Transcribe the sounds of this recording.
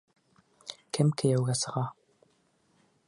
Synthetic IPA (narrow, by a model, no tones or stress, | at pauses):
kɘmkɘ̆jæwɡæsɤ̆ʁɑ